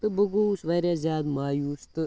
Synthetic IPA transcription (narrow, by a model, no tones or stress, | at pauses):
t̪ɨbɐɡoːsʋaːɾjaːzʲaːd̪maːjuːst̪ɨ